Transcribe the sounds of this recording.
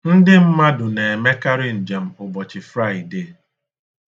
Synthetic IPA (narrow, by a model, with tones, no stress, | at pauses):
n̩˦dɪ˦m̩˦ma˦dʊ˨ne˨e˨me˦ka˦ɾɪ˦n̩˨d͡ʒe˨m̩˨ʊ˨bɔ˨t͡ʃɪ˨fɾa˦˨ɪ˨de˦˨